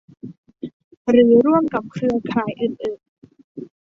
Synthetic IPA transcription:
ɾɯː˩˦ɾu˥˩əmka˨˩p̚kʰɾɯ˧ɐkʰɾaː˩˦jʔɯː˨˩nʔɯː˨˩n

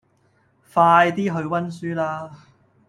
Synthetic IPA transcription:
faː˧jt̪iː˥ɦɵ˧ɥwɐ˥nsyː˥laː˥

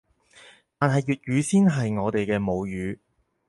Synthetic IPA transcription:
t̪aː˨nɦɐ˨jːyː˨t̚jɥyː˨˧˥siː˥nɦɐ˨jŋɔː˨˧t̪e˨jkɛː˧mo˨˧wjyː˨˧

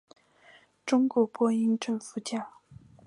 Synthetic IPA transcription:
ʈ͡ʂʊ˥ŋkwɔ˧˥pwɔ˥i˥ŋʈ͡ʂə˥˩ŋfu˧˥t͡ɕja˥˩ʊ

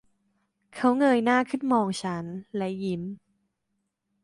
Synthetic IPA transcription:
kʰa˦˥wŋɤː˧jnaː˥˩kʰɯ˥˩nmɔː˧ŋt͡ɕʰa˦˥nlɛ˦˥ji˦˥m

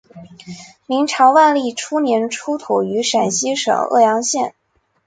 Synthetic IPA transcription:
mi˧˥ŋʈ͡ʂʰɑ˧˥ʊwa˥˧nli˥˩ʈ͡ʂʰu˥njɛ˧˥nʈ͡ʂʰu˥t̪ʰu˨˩y˧˥ʂa˨˩nɕi˥ʂɤ̰˨˩ŋɤ̰˥˩jɑ˧˥ŋɕjɛ˥˩n

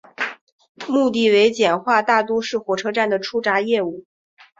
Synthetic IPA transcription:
mu˥˧t̪̬i˥˩we˧˥ɪt͡ɕjɛ˨˩nxwa˥˧t̪a˥˩t̪u˥ʂɻ̩˥˩xwɔ˧˥ʈ͡ʂʰɤ˥ʈ͡ʂa˥˩nd̪ə˩ʈ͡ʂʰu˥ʈ͡ʂa˧˥jɛ˥˧u˥˩

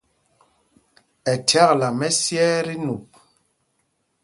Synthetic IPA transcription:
ɛ˨tʰa˦kla˨mɛ˦sjɛː˦ɾi˦nu˨p̚

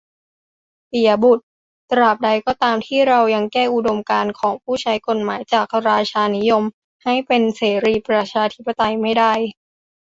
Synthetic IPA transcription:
pi˨˩ɐ˦bu˨˩t̪̚ː | ɾa˨˩p̚da˧jkɔː˥˩t̪aː˧mt̪ʰiː˥˩ɾa˧wja˧ŋkɛː˥˩ʔu˨˩do˧mkaː˧nkʰɔː˩˦ŋpʰuː˥˩t͡ɕʰa˦˥jko˨˩t̪̚maː˩˦jt͡ɕaː˨˩k̚ɾaː˧t͡ɕʰaː˧ni˦˥jo˧m | ha˥˩jpe˧nseː˩˦ɾiː˧pɾa˧t͡ɕʰaː˧t̪ʰi˦˥pːa˧t̪a˧jma˥˩jda˥˩j

